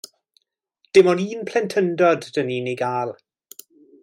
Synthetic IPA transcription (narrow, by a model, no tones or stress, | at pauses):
d̥ɪmɔniːnpʰlɛntʰəndɔdːəniːniɡaːlˠ